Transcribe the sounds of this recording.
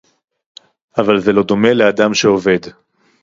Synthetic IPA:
avalze̞lo̞d̪o̞me̞lead̪amʃe̞o̞ve̞d̪

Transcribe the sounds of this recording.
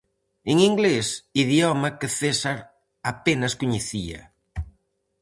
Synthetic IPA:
eŋiŋɡlesiðjɔmakeθesaɾ | apenaskuɲeθia̰

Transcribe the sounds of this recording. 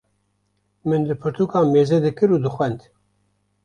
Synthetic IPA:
mɨnd̪ɨpʰɨɾt̪ʰuːkɑːmeːzɛd̪ɨkɨɾuːd̪ɨxʷɛnd̪

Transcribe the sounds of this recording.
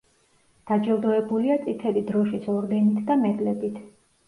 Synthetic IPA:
d̪̥ad͡ʒɛlˠd̪ɔɛbuliat̪sʼit̪ʰɛlid̪ɾɔʃisʰɔɾd̪ɛnit̪ʰd̪amɛd̪lɛbit̪ʰ

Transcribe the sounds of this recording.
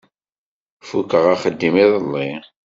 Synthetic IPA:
fukəʁaχəd̪ːimiðˤəlːi

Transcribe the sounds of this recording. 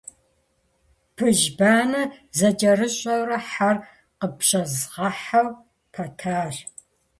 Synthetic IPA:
pʰɨʒbaːnɐzɐd͡ʒʼɐrɨɕʼɐwrɐħar | qəpɕʼɐzʁɐħɐw | pʰɐtʰaːr

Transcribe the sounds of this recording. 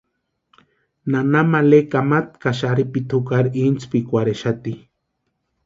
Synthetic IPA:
nanamalekamat̪kaʃaɾipit̪ʰukaɾint͡spikʷaɾeʃat̪i

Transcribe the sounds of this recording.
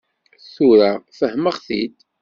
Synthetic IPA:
θuɾəʁfəhməʁθid̪

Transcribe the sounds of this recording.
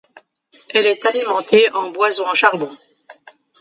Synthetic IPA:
ɛlɛt̪alimɑ̃t̪eɑ̃bwazɔ̃ɑ̃ʃaʁbɔ̃

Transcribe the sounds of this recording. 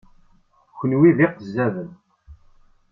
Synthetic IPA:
çənwiðiqəzːævən

